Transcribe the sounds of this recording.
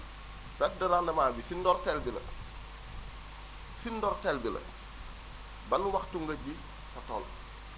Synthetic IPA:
pɛt̚dɐɾaːndɐmaːbisindɔrtɛlbilɐ̰ | sindɔrtɛlbilɐ̰ | bɐnwɐxtuŋɡɐɟi | sɐtɔ̰l

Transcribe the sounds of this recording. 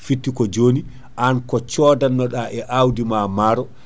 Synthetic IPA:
fitːikɔd͡ʒoːni | ʔankɔt͡ʃɔːdanːɔɗaʔɛʔawdimamaɾɔ

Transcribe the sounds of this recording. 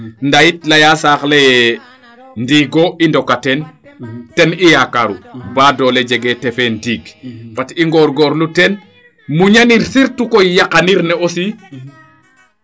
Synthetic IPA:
ndajitlajasaːxle | ndiːɡoindokatɛn | tɛnijakaɾṵbaːdɔled͡ʒɛɡetɛfendiːɡpatiŋɡɔɾɡɔːɾlutɛn | muɲaniɾsiɾtukojakaniɾnɛosi

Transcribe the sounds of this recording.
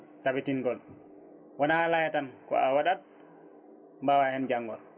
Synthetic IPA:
tabitiŋɡɔl | wɔnalajatankɔ̰awaɗat̚ | mbawahɛnd͡ʒaŋːɡɔl

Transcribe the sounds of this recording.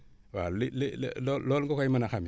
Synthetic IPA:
walil̰llolŋɡokaimanaxami

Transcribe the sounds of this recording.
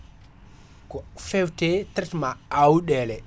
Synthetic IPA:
kɔfewtetɾɛtmaawuɗelɛ

